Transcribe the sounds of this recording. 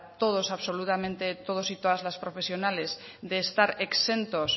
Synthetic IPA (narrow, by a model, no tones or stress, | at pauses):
t̪o̞ð̞o̞saβso̞lut̪amẽnt̪e̞t̪o̞ð̞osit̪oð̞azlaspɾo̞fe̞sjo̞nale̞z | ðe̞ːst̪aɾekse̞nt̪o̞s